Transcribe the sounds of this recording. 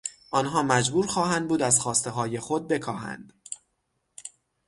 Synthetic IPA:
ʔɒnɦɒːmæd͡ʒbuːɾxɒːɦænd̪̚buːd̪æzxɒːst̪e̞ɦɒːje̞xo̞d̪̚be̞kʰɒːhæ̰nd̪̥

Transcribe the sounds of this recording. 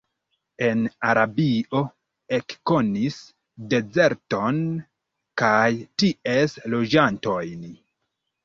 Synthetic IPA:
e̞naɾabiʔo̞ | e̞kko̞nis | de̞ze̞ɾto̞n | kajtie̞slo̞d͡ʒanto̞jn

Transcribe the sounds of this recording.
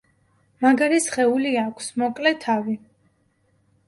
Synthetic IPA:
maɡaɾisχɛuliakʰsmɔkʼlɛt̪ʰavi

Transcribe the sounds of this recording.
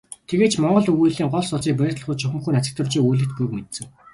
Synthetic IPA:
t̪ʰeɣeːt͡ɕmɔɴɢɞ̆ɮuɣuɮiːŋɢɔɮsʊɮt͡siːŋp̬æːrt̪ɞ̆ɮ̆ʁʊːt͡ɕt͡ɕʰɵxʲɘ̆mxuːnat͡sɪ̆k̚t̪ʰə̆wt͡ɕiːujɮɘ̆xt̪̚pujkmet̪sɘ̆ŋ

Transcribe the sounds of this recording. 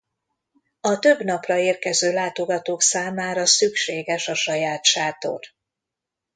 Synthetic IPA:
ɒt̪øbnɒprɒeːrkɛzøːlaːt̪o̞ɡɒt̪oːksaːmaːɾɒsykʃeːɡɛʃɒʃɒjaːt̪ʃaːt̪o̰r

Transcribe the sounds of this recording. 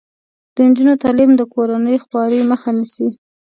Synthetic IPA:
d̪̥ənd͡ʒunot̪ɑlimd̪əkoɾanəjoxwɑɾəməxanisi

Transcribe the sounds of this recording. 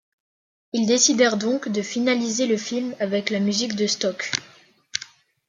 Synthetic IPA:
ild̪esid̪ɛʁd̪ɔ̃kd̪əfinalizeləfilmavɛklamyzikd̪əst̪ɔk

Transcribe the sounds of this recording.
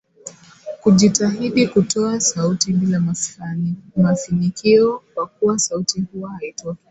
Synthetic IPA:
kuʄitaɦiɗikutɔasautiɓila | maθinikiɔkwakuwasautihuahaitɔka

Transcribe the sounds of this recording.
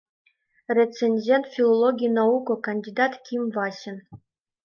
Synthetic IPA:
rʲet͡sĕnʲd͡ʑʲent̪fʲilˠolˠoɡʲijnaukokɐnʲdʲid̪ɑt̪kʲimvɑɕɘ̆n

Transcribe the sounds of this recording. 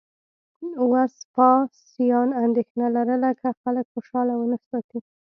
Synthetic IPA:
waspɑsijɑnand̪exnalaɾəlakʰaxaləkxoʃɑlawənasɑt̪i

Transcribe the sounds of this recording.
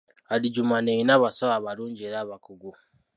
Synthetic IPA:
aliɟumaneinaβasaaβaɾuːɲɟieɾaβakuɡu

